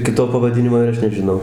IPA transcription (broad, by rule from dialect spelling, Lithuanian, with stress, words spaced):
ˈkʲɪtoː pɐʋɐˈdʲɪnʲɪmoː ɪr ˈɐʃ nʲɛʒʲɪˈnɐʊ